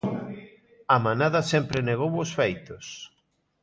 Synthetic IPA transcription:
amanaðɐsɛmpɾɪneɣ̞owosfejt̪os

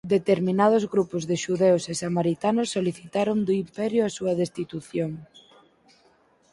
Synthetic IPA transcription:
d̪et̪eɾminað̞ʊzɣɾupozðeʃuðewsesamaɾit̪anʊsːoliθit̪aɾond̪oimpɛɾjʊasuɐðest̪it̪uθjoŋ

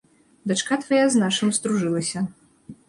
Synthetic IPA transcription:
d̪at͡ʂkat̪vajaznaʂɨmst̪ɾuʐɨlˠɐsʲɐ

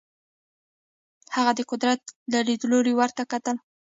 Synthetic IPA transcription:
haɣad̪əqʊd̪ɾat̪lalid̪əloɾewaɾt̪akat̪əl

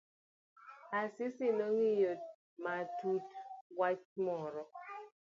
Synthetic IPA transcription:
asɪsɪnoŋijot̚ | matutwat͡ʃmɔɾɔ

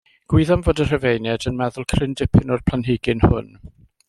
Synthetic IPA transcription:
ɡ̥wiðanvoːdər̥əvejnjɛdənmɛðʊlˠkʰrɪndɪpʰɪnɔrpʰl̥ˠanɦɪɡɪnhʊ̰n

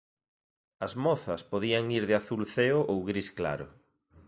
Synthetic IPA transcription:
ɐzmɔθɐspoðiɐŋiɾðɪaθulθeʊʔowɣɾiskla̰ɾʊ̰

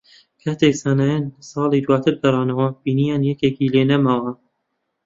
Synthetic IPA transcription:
kʰaːt̪eksaːnaːjansɑːlˠid̪waːt̪ʰɨɾbɐɾˤɑːnɐwɐbiːnijaːnjɛkeːkiːleːnɐmawɐ

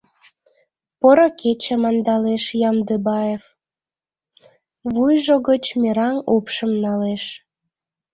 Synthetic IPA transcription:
poɾokʰet͡ɕə̆mɑnd̪ɑleʃjɑmd̪əbɑef | βujʒoɣət͡ɕmʲeɾɑnupʃəmnɑleʃ

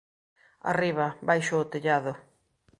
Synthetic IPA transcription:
a̰riβɐbajʃʊːt̪eʎaðʊ

